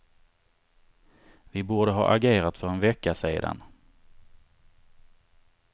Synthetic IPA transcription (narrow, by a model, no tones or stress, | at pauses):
vɪbuːɖəɦɑ̰ːʔaɡeːɾat̪fœɾɛnvɛkːasḛːd̪a̰n